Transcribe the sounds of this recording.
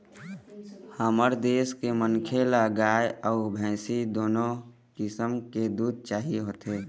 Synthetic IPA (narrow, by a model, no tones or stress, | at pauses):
haməɾd̪eːskemənkʰeləɡaːjəːbʱɛ̃ːsid̪oːno | kɪsəmked̪uːd̪̚ʱt͡ʃaːɦiɦoːt̪eː